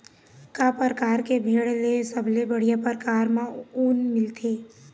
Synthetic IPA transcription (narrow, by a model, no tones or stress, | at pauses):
kapəɾəkaːɾkebʱeːɽlesəbʱlebəɽ̤ijapəɾəkaːɾmãkuːnmɪlt̪ʰeː